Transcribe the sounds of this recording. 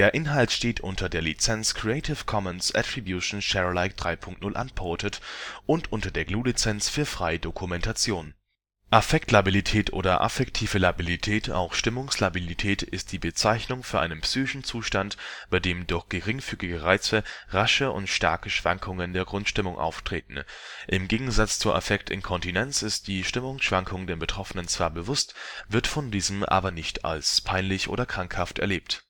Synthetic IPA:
d̥eːɐʔɪnɦaltʃteːtʰʔʊntʰɐdeːɐlit͡sɛnskʁ̥iɛɪtʰɪfkʰɔmənsʔa̰tʁ̥ibjuːʃn̩ʃɛʁlaɪk̚d̥ʁaɪpʰʊŋkt̚nʊlʔa̰npʰɔɐtʰətʔʊntʔʊntɐdeːɐɡluːlit͡sɛnt͡sfyːɐfʁ̥aɪədokʰumɛntat͡sjoːn | ʔafɛk̚tʰlabilitʰɛːtʔo̰ːdɐʔa̰fɛktʰiːvəlabilitʰɛːtʰa̰ʊxʃtɪmʊŋslabilitʰɛːtɪst̚d̥iːbət͡saɪçnʊŋfyːɐʔaɪnənpsyːçɪʃn̩t͡suːʃtantb̥aɪdeːmdʊɐçɡ̥əʁɪŋfyːɡɪɡəʁaɪt͡səʁaʃəʔʊ̰ntʃta̰ɐkəʃv̥aŋkʰʊŋəndeːɐɡʁʊntʃtɪmʊŋʔa̰ʊftʁ̥eːtn̩ʔɪmɡeːɡŋ̩zat͡st͡suːɐʔa̰fɛktɪ̰nkʰɔntinɛnt͡sɪst̚d̥iːʃtɪmʊŋsʃv̥aŋkʰʊŋdeːɐbətʁ̥ɔfənənt͡sv̥aːɐbəvʊstvɪɐtfɔndiːzəm̩ʔa̰ːbɐnɪçtʰa̰lspʰaɪnlɪçʔo̰ːdɐkʁ̥aŋkhaftɛ̰ɐleːpt

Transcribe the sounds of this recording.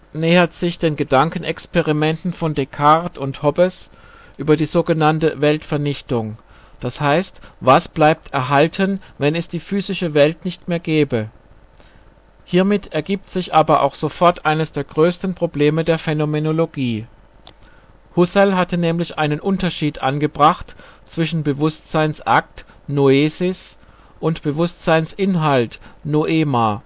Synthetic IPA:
nɛːɐtz̥ɪçd̥eːnɡədaŋkn̩ɛkspeʁimɛntn̩fɔndekʰaʁtʊnthɔbɛs | ʔyːbɐdiːzoːɡənantəvɛltfɛɐnɪçtʊŋ | d̥ashaɪstvasb̥laɪp̚tʰɛɐɦaltʰənvɛnɛsd̥iːfyːzɪʃəvɛltnɪçtmeːɐɡɛːbə | hiːɐmɪtʰɛɐɡiːp̚tz̥ɪçʔaːbɐʔa̰ʊxz̥ofɔɐtʔaɪnəsd̥eːɐɡʁøːstn̩pʁ̥obleːmədeːɐfenomenoloɡiː | hʊsɛlɦatənɛːmlɪçʔaɪnənʔʊntɐʃiːtʔa̰nɡəbʁaχtt͡sv̥ɪʃn̩bəvʊstz̥aɪnsʔa̰k̚tnoeːzɪs | ʔʊntb̥əvʊstz̥aɪnsʔɪnɦaltnoʔeːmaː

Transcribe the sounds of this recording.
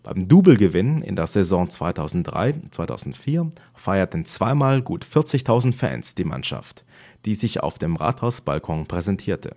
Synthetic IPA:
b̥aɪmduːbl̩ɡəvɪnənɪ̰ndeːɐzɛzɔ̃ŋt͡sv̥aɪtʰaʊzn̩t̚d̥ʁa̰ɪt͡svaɪtʰa̰ʊzn̩tfiːɐ | faɪɐtn̩t͡sv̥aɪmaːlɡuːtfɪɐt͡sɪçtʰaʊzn̩tfɛ̰ːnsd̥iːma̰nʃa̰ft | d̥iːzɪça̰ʊfd̥eːmʁa̰ːthaʊsb̥a̰lkʰɔŋpʁ̥ɛzɛntʰiːɐtʰə̰

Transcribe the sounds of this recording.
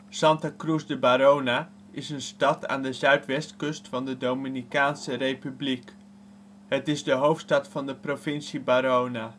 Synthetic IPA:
sɑntakrusdəbaɾowna | ɪsənstɑta̰ːndəzœɥtʋɛstkɵstfɑndədowminikaːnsərejpyblik | ɦətɪzdəɦowftstɑtfɑndəprovɪnsibaːɾowna

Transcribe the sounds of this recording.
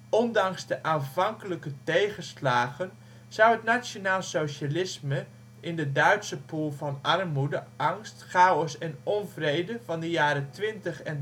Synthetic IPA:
ɔndɑŋzdəʔaːnvɑŋkələkətejχəslaːɣən | z̥ʌwətnajonaːlˠsowʃalɪsmə | ʔɪndədœɥtsəpuːlˠvɑnɑrmudəʔɑŋstχawəsɛnɔnvrejdəvɑndəjaːɾətʋɪntəχɛn

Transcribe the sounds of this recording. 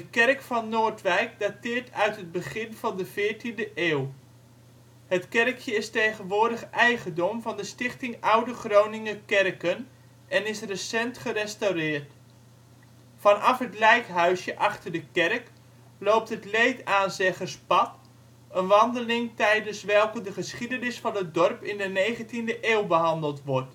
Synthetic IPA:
d̥əkɛrkfɑnːoːɹtʋɛjk̚datɪːɹtʰœɥtɦəd̚bəχɪnv̥ɑndəv̥ɪːɹtindəʔeːw | hətkɛrkʰjəɪstejχənʋʊːɹdəχʔɛjχəndɔmvɑndəstɪχtɪŋʌwdəχrownɪŋəkɛrkən | ɛnɪsrəsɛntχərɛstawrɪːɹt | fɑnɑfɦətlɛjkɦœɥsjəʔɑχtərdəkɛrk | lowp̚tɦətlejtaːnzɛχərspɑt | ənʋɑndəlɪŋtɛjdənsʋɛlˠkədəχəsχidənɪsfɑnɦət̚dɔrpɪndənejχəntindəʔeːwbəɦɑndəlˠtʋɔrt

